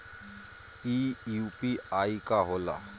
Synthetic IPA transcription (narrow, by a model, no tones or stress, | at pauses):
iːupiaːikaɦoːla̰